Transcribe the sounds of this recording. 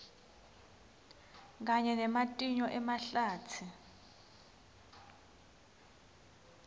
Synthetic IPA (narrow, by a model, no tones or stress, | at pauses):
k̬aɲɛnɛmatʼiɲɔʔɛmaɬaːtʰi